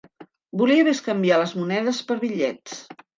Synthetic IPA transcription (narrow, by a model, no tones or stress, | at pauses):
buliəβeskəmbialəzmunɛðəspəɾβiʎɛt͡s